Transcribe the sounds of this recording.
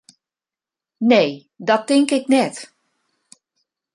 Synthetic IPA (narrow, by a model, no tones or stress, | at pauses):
neː | dɔtɪŋkɪknɛt